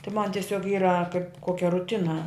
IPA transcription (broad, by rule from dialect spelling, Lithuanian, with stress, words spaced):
tɐɪ mɐn tʲiɛˈsʲoːk ˈiːrɐ kɐɪp ˈkoːkʲɛ rʊˈtʲɪnɐ